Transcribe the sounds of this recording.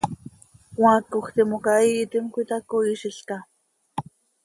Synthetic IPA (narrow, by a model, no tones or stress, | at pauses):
wãkokt̪imokaiːt̪imkʷit̪akoiʃiɬka